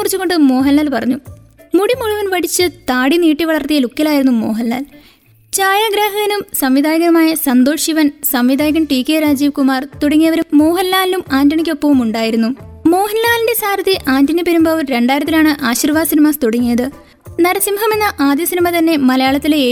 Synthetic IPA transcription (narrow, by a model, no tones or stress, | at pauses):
kurit͡ɕːuɣo̞ɳɖɨmo̞ːɦɐnːaːlpɐrɐɲːu | muɽimuɻuʋɐnʋɐɽit͡ɕːɨt̪aːɽiniːʈːiʋɐɭɐrt̪ijɐlukːɐlaːjiɾunːumoːɦɐnːa̰ːl | t͡ɕaːjɐɡɾeːɦɐɣɐnumsɐmʋid̪aːjɐɣɐɐmaːjɐsɐnd̪o̞ːʂiʋɐnsɐmʋid̪ʱaːjɐɣɐmʈiːkːeɾaːd͡ʑiːʋkumaːrt̪uɽɐŋːijɐʋɐɾumːo̞ːɦɐnːaːllumaːndɐɳikʲːopːɐʋumuɳɖaːjiɾunːumo̞ːɦɐnːaːlinde̞saːɾɐðiʔaːndɐnipeɾumbɐːʋɾe̞ɳɖaːjɾɐt̪ːilaːɳɨʔaːɕiːrʋaːd̪sinimaːst̪uɽɐŋːijɐðɨ | nɐɾɐsimɦɐmenːɐʔaːd̪jɐsinimɐt̪ɐnːe̞mɐlɐjaːɭɐt̪ːileː